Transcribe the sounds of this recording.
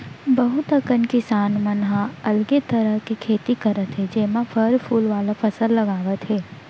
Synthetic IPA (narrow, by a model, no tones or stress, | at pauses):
bɐɦʊt̪ɐkənkɪsaːnmɐnɦãɐlɡet̪ɐɾəɦkikʰeːt̪ikɐɾət̪ɦɛd͡ʒɛːmãfʰəɾpʰuːlʋaːlapʰɐsəlːɐɡaːʋət̪ɦɛː